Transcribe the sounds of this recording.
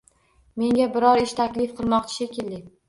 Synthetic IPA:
me̞ŋʲabɪɾɒɾɪʃt̪ʰakʲlɪfqʰɨlˠmɒq̚t͡ʃʰḁʃekʲɪlːɪkʲ

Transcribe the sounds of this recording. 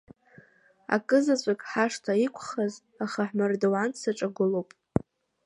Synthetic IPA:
a̰kʼɨzat͡ɕʷʼakʼħaʂtʰaikʷʰχaz | aχaħmardowansaʈ͡ʂʼaɡʷʊlowpʼ

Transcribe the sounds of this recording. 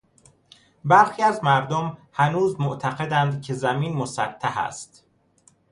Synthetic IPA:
bæɾxiːæzmæɾd̪omhænuːzmoʔt̪ʰæɣe̞d̪ænd̪cʰe̞zæmiːnmosæt̪ʰːæhæ̰st̪

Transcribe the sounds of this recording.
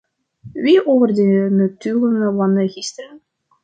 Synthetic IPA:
ʋiʔoːvərdəənətyːlənəlɑndəɣɪstəɾən

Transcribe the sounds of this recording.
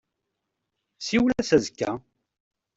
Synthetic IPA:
siwlæsæzkːæ̰

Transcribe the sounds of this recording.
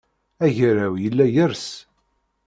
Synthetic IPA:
æʝɾæwjəlːæjəɾs

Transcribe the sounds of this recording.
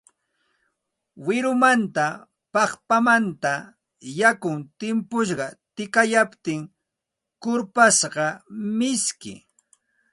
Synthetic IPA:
wɪɾʊmant̪a | pɑχpamant̪a | jakʊŋt̪ɪmpʊʃɢɑt̪ɪkajapt̪ɪŋ | kʊɾpasɢɑmɪskɪ̰

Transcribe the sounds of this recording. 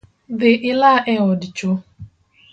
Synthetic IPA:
ðɪʔɪlaʔɛɔdɪt͡ʃo

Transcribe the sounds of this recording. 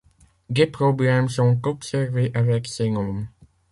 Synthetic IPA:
d̪epχɔblɛmsɔ̃tɔpsɛʁveʔavɛksɛŋɔ̃m

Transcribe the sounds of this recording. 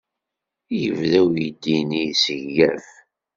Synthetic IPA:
jəvðæwjəd̪ːinisəʝːæv

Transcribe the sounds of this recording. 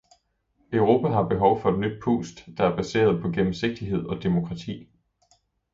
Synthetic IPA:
œʊʁo̝ːpʰæɦɑ̈b̥e̝ɦɒ̽ʊfɒ̽e̝d̥nyd̥̚pʰṵːsd̥d̥ɑ̈æɐb̥æse̝̰ːɐð̞ˠpʰɒ̽ɡ̥em̩se̝ɡ̥̚d̥iɦe̝ð̞̰ˠɒ̽d̥emo̝kʰʁɑ̈t͡sʰḭː

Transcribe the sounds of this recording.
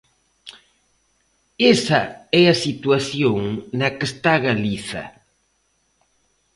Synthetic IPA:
esaɛasit̪waθjoŋnɐkest̪aɣaliθɐ̰

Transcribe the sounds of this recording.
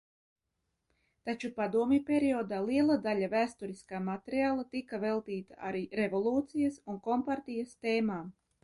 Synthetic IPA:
t̪at͡ʃupad̪uɔmʲipʲeɾiɔːd̪aːlˠiɛlˠad̪alʲavæːst̪uɾiskaːmat̪eɾiaːlˠat̪ikavelˠt̪iːt̪aʔaɾiːɾevolˠuːt̪sijasunkɔmpaɾt̪ijast̪eːmaːm

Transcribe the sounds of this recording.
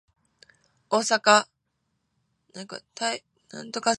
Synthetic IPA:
oːsaka | nãŋka̰t̪ʰai | nã̰nt̪o̞ka

